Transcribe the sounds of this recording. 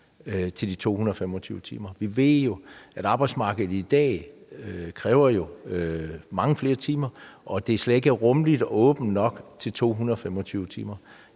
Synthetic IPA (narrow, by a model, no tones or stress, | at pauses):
t͡sʰe̝ld̥it͡sʰo̝̰ːhunɐɒfem̰ɒt͡sʰyːʊət͡sʰḭːmɐʋiʋe̝ð̰ˠjo̝æɾ̥ɑ̈ːb̥ɑɪdsmɑ̈ːɡ̥ð̩ˠid̥ɛ̰ː | kʰʁɛːʊɐjo̝ | mɑ̈ŋəfle̝ːɐt͡sʰiːmɐʔɒ̽d̥e̝sled̥e̝ɡ̥æʁɔ̽mlid̥ɒɔ̽ːb̥n̩nɒ̽ɡ̥t͡sʰe̝lt͡sʰo̝̰ːɦunɐɒ̽femɒt͡sʰyːʊət͡sʰḭːmɐ